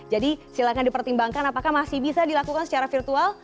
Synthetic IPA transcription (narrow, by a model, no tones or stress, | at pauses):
d͡ʒadisilakandipərt̪imbaŋkanapakahmasihbisadilakukansə̥t͡ʃaɾafirt̪ual